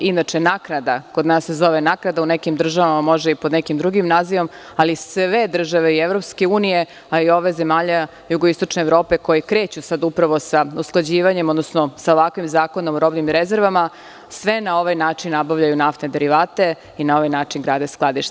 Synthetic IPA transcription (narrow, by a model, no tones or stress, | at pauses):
inat͡ʃenaːknad̪akod̪naːsːezo̞ʋenaknad̪aunekimd̪r̩ʒaʋamamo̞ʒd̪aipod̪nekimd̪ɾuɡimnaːziʋo̞malisʋe̞d̪r̩ʒaʋe̞ievɾo̞pske̞uːnije̞ | aio̞ʋe̞zemaːʎa | juɡoist̪ot͡ʃneːʋɾo̞ːpe̞ko̞jekɾeːt͡ɕusad̪upɾaʋo̞sausklˠad͡ʑiːʋaɲemo̞d̪nosnosaoʋakʋimzaːko̞nomuɾo̞bnimɾezeɾʋama | sʋe̞nao̞ʋajnaːt͡ʃinːabaʋʎajunaft̪ned̪eɾiʋaːt̪e̞ | inao̞ʋajnaːt͡ʃinɡɾaːd̪esklˠad̪iʃt̪e